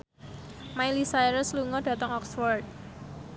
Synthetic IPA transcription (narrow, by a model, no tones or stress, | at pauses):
majlisajɾəsluŋɔɖ̥ä̤t̪əŋɔksfɔrt̪̚